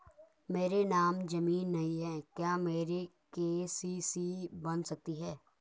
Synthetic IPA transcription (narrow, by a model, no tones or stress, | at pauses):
meːɾenaːmd͡ʒɐmiːnːɐɦiɦɛːkjaːmeːɾe | keːsisibɐnsɐk̚t̪iɦɛː